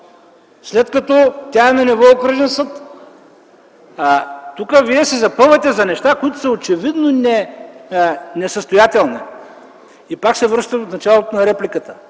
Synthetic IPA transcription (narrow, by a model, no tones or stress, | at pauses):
slɛt̪kɐt̪ɔt̪ʲaɛnɐnivɔokɾɛʒɛnsɤt̪ | t̪ukəviɛsɛzɐpɤvət̪ɛzɐnɛʃt̪akojit̪ʊ̥sɐot͡ʃɛvid̪nonɛ | nɛsəst̪ojat̪ɛlˠni | ipaksɛvɾɤʃt̪əot̪nɐt͡ʃalˠot̪onɐɾɛplikət̪ə̥